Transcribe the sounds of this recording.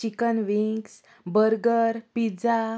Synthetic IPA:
t͡ɕikənʋiks | bəɾɡəɾpid͡za

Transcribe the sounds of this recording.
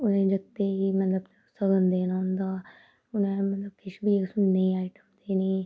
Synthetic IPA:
ʊnẽd͡ʒɐɡ̚t̪eɦimɐt̪ləb | sɐɡənd̪eːnaɦʊ̃nd̪aː | ʊnẽmɐt̪ləb̚kɪʃbʱieksʊnneĩaːɪʈəmd̪enĩ

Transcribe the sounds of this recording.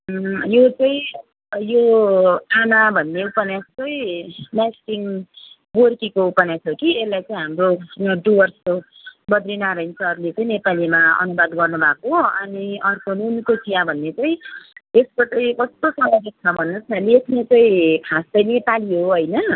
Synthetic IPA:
jot͡sʌ̃ĩ | jo | anabʱʌnːeupʌnjastʌj̃nasʈiŋ | ɡorkikoupʌnjasʰokielːajt͡sʌĩɦamroɖuwʌrsko | bʌd̪rinaɾʌint͡sʰʌʌɾulet͡sʌĩnepalimaʌ̰nubad̪ɡʌrnubʱakoɦʌniʌrkonunkot͡sijãbʱʌnːet͡sʌĩeskot͡sʌĩkʌst̪osʌmʌɡek̚t͡sʰʌbʱʌnːʌt͡sʰʌlekʰnet͡sʌĩkʰast̪ʌjnepaliɦoɦʌjnʌ

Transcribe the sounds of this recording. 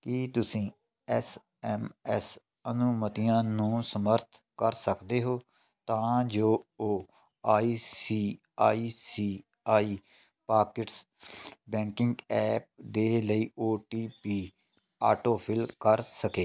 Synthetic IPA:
kit̪ʊsĩː | ɛs | ɛmɛs | ənʊmət̪ɪjãːnũːsəməɾt̪ʰkəɾsəkd̪eːɦoː | t̪ãːd͡ʒoːoː | aːiːsiː | aːiːsiː | aːiː | paːkɪʈs | bɛ̃ːŋkɪ̃ŋɡɛːp̚d̪eːləiːoːʈiːpiː | aːʈoːpʰɪlkəɾsəkeː

